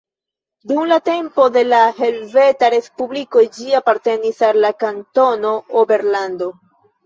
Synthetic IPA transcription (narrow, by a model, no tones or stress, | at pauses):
dumlate̞mpo̞de̞laɦe̞lve̞taɾe̞spubliko̞d͡ʒiapaɾte̞nisalːakanto̞no̞obe̞ɾlando̞